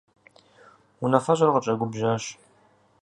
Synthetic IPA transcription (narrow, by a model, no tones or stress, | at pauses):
unɐfɐʑʷɐrqət͡ʃʼɐɡʷʊbʒaːɕ